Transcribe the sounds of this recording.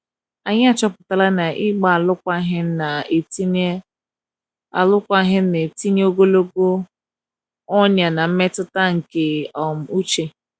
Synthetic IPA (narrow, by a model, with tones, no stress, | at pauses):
a˨ɲɪ˦a˨t͡ʃɔ˦pʊ̥˨ta˦˨la˦na˨ʔɪ˦ɡ͡ba˨a˨lʊ˦kʷa˦ɦɪ˦na˨e˨ti˦ | a˨lʊ˦kʷa˦ɦɪ˦n̩˦ne˨ti˦ɲe˦o˦ɡo˦lo˦ɡo˦ | ɔ˦n˨a˨na˨m̩˦me˦tʊ˦ta˦ŋ̩˨ke˨ɔ˨m̩˨u˦t͡ʃe˦